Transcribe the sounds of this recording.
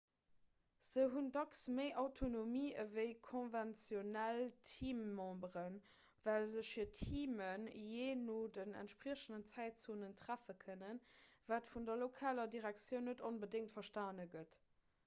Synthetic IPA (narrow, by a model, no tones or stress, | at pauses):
z̥əɦundɑksməɪʔɑʊtʰonomiːəvəɪkʰõnvɛnt͡sjonæltʰiːmːɑ̃ːbʁən | vælzəɕfiːɐtʰiːmənjeːnoːdənæ̰ntʃpʁiəɕəndənt͡sæɪtt͡soːnəntʁæfəkʰənənvaːtfundɐlokʰaːlɐdiʁæk̚t͡sjəʊnːətonbədɪŋtfɐʃtaːnəɡət